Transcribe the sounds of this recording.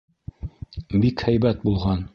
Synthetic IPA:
bikhæjbæt̪̚bulˠʁɑn

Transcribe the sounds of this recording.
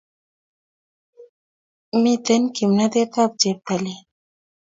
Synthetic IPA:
mit̪enkimnad̪et̪ab̚d͡ʒep̚t̪ali

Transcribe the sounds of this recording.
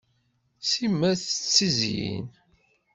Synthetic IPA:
simːæθə̥t͡sːizḭn

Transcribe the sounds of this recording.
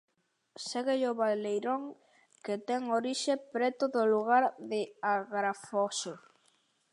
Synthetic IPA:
seɣeʎoβalejɾoŋ | ket̪ɛŋoɾiʃepɾɛt̪ʊðʊluɣ̞aɾðɪaɣɾafoʃo

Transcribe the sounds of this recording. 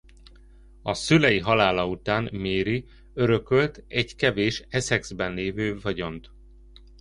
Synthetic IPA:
ɒsylɛjiɦɒlaːlɒut̪aːnmeːɾi | øɾø̞kølt̪ɛɟkɛveːʃɛsɛɡz̥bɛnleːvøːvɒɟo̞nt̪

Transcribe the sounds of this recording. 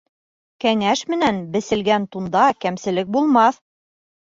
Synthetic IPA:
kæŋæʃmɘ̆nænbɘ̆sɘ̆lɡænt̪und̪ɑkæmsɘ̆lɘk̚bulˠmɑθ

